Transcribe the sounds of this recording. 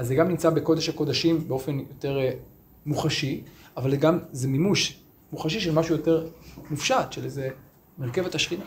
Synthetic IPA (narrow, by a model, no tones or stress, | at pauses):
azːeɡamnimt͡sabe̞ko̞deʃhako̞daʃimbeo̞fe̞njo̞te̞ʁ | muχaʃiavalzeɡamzemimuʃ | muχaʃiʃelmaʃujo̞te̞ʁmufʃatʃeleze | meʁke̞vetaʃχina